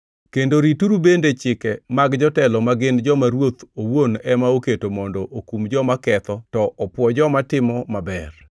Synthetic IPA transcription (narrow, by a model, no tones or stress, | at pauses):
kendoɾituɾubendet͡ʃɪkɛmaɡd͡ʒɔtɛlɔmaɡɪnd͡ʒɔmaɾwot̪owonɛmaoketomɔndɔʔokumd͡ʒɔmakɛt̪ɔtɔɔpwɔd͡ʒɔmatɪmɔmabɛr